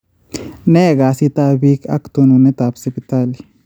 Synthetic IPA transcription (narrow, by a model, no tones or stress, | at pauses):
neːɡaːsit̪aːbiːkɐ̰kt̪onunet̪aːpsipɪt̪aːli